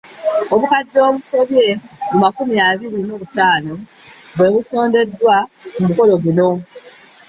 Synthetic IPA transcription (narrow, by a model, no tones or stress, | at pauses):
oβukadːo̞ːβuso̞βje̞mumakumiaβiɾino̞ːβutaːno̞ | βwe̞ːβuso̞ːnde̞dːwamumuko̞lo̞βuno̞